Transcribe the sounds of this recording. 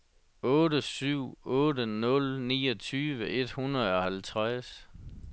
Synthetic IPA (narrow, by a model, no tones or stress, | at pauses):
ɔ̽ːɾəsyʊ̰ɔ̽ːdənɔ̽lnḭːɒt͡sʰyːʋəʔe̝d̥hunɐð̩ˠɒ̽hælt͡sʰʁas